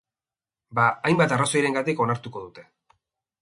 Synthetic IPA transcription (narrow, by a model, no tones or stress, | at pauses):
baajmbat̪araso̞jɾe̞ŋɡat̪iko̞naɾt̪uko̞ðut̪e̞